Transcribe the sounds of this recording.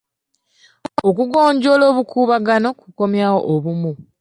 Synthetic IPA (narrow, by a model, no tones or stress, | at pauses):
okuɡo̞ːɲɟo̞lo̞ːβukʰuːβaɡano̞kuko̞mjaːwo̞̰ʔoβumu